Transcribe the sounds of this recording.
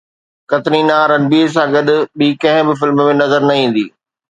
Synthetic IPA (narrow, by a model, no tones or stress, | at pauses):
kɐt̪ninaːɾɐnbiːɾs̬ãɡɐɗʊ̆ɓikɐ̃ɦɪ̃bɪfɪlmmẽnɐzəɾnɐĩːn̆d̪iː